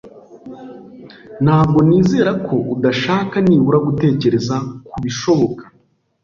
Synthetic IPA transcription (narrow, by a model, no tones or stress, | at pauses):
n̥haːb̚ɡo̞niːzeːɾakʰo̞ʔudaʃaːkaniːβuɾaɡute̞ːce̞ɾe̞zakuβiʃo̞βo̞kḁ